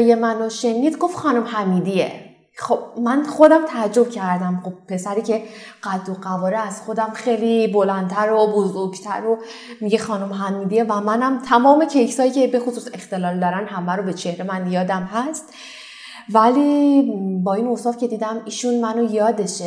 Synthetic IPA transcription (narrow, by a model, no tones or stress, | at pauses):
jemænoʃe̞niːd̪ɡo̞fxɒːnomhæmiːd̪iḛ | xob̥̚mænχo̞d̪æmt̪ʰææd͡ʒːo̞b̚cʰæɾd̪æmχob̥̚pʰːe̞sæɾiːcʰe̞ɢ̥æd̪ːoɢævɒːɾeæz̥xo̞d̪æmxejlibolænd̪t̪ʰæɾobozoɾɡt̪ʰæ̰ɾo | miɟe̞xɒːnomɦæmiːd̪ievæmænæmt̪ʰæmɒːme̞cʰejsɒːjiːcʰe̞be̞xosuːse̞xt̪e̞lɒːld̪ɒːɾænd̪ɦæmæɾobe̞t͡ʃʰe̞hɾe̞mænjɒːd̪æmɦæst̪ | væli | bɒːinoːsɒːfcʰe̞d̪iːd̪æmiːʃunmænojɒːd̪e̞ʃe